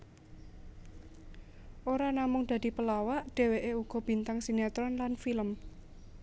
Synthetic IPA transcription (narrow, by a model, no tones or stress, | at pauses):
ʔoɾanamʊŋd̪̥ä̤d̥̪i̤pəlawaʔɖ̪̥e̤weʔeuɡ̥ɔ̤b̥i̤nt̪aŋsinat̪ɾɔnlanfiləm